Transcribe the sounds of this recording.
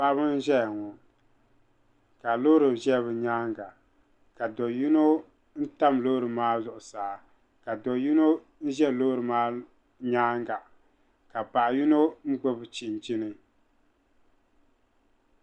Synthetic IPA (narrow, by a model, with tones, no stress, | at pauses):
pa˦bɨ˦n̩˦ʒɛ˦jŋɔ˨ | ka˨lo˦ɾɨ˨ʒɛ˦βɨ˨ɲaː˦ŋɡa˨ | ka˨dɔ˨ju˦no˦ | n̩˦ta˦mloː˦ɾɨ˨maː˦zʊ˨ʔʊ˨saː˨˦ | ka˨dɔ˨ju˦no˦ | n̩˦ʒɛ˦˨lo˦ɾɨ˨maː˦ | ɲaː˦ŋ˦ɡa˨ | ka˨pa˨ʔju˦no˦n̩˦ɡ͡bo˦bɨ˨t͡ʃɪ˨n˨t͡ʃi˦nɨ˦